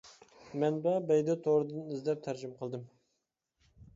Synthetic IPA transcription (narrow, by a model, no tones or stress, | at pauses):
mɛnbɛbɛjd̪ɛt̪ʰoɾɨd̪ɨnɪzd̪ɛp̚t̪ʰæɾd͡ʒɪmqʰəlˠd̪ɨm